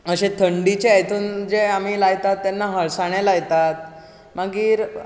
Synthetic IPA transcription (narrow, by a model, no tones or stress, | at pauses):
əɕẽt̪ʰəɳɖit͡ɕeet̪ʰuːnd͡ʑeamilajt̪at̪ːanːaɦəɭsaɳ̃jelajt̪at̪̚ | maɡiːɾ